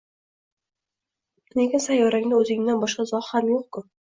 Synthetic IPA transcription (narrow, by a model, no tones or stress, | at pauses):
neɡʲasajɒɾaŋnɪɵzɪŋʲd̪anbɒʃqɑzɒhhamjoqkʰʊ